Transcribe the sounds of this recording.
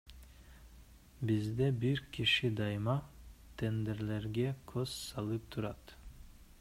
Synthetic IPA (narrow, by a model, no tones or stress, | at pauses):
bizd̪ɛbiɾkʲʰiʃid̪ɑjmɑt̪ʰend̪eɾleɾɡʲɛkʰossɑlˠɯp̚t̪ʰuɾɑt̪